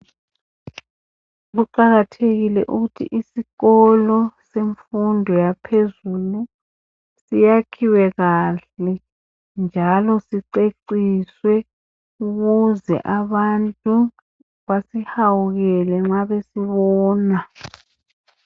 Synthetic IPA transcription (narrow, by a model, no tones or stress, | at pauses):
ɣuǃaɣatʰeɣilɛ̰ʔuɣutʰḭʔisiɣɔlɔseɱfundʱɔjapʰezulu | sijakʰiwɛɣaɬɛ | nd͡ʒʱalɔsiǀeǀiswɛ | uɣuzɛ̰ʔaβantʼu | βasihawuɣɛlɛŋ͡ǁaβesiβɔːna